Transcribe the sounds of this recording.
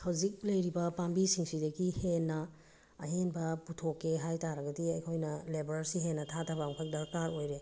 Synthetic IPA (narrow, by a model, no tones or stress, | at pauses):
hawzik̚lɐjɾibɐpambisiŋsidɐɡihenːɐː | ɦenbɐputʰokːeɦajtaɾɐɡɐdiɐjkʰojnɐlebɾaɾsiɦenːɐtʰatʰɐbaŋpʰajk̚dɐkaɾojɾe